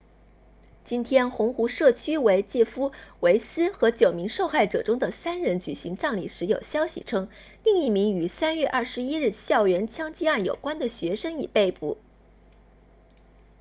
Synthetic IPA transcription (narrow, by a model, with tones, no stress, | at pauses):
t͡ɕi˥nt̪ʰjɛ˥nxʊ˧˥ŋxu˧˥ʂɤ˥˩t͡ɕʰy˥we˧˥ɪt͡ɕjɛ˥˩fu˥we˧˥ɪsɹ̩˥xɤ˧˥t͡ɕjo˨˩ʊmi˧˥ŋʂo˥˧ʊxa˥˩ɪʈ͡ʂɤ̰˨˩ʈ͡ʂʊ˥ŋd̪ə˨sa˥nɻə˧˥nt͡ɕy̰˨˩ɕi˧˥ŋʈ͡ʂɑ˥˩ŋlḭ˨˩ʂɻ̩˧˥jo˨˩ʊɕjɑ˥ʊɕḭ˨˩ʈ͡ʂʰɤ˥ŋ | li˥˧ŋi˥˩mi˧˥ŋy˨˩sa˥nɥɛ˥˧ʔɐ˥˩ʂɻ̩˧˥i˥ɻ̩˥˧ɕjɑ˥˩ʊɥɛ˧˥nt͡ɕʰjɑ˥ŋt͡ɕi˥a˥˩njo̰˨˩ʊkwa˥nd̪ə˨ɕɥɛ˧˥ʂɤ˥ŋḭ˨˩pe˥˧ɪpu˥˩